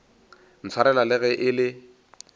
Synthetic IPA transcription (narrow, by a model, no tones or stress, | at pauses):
n̩t͡sʰwaɾɛlalɪɣɛʔɪlɪ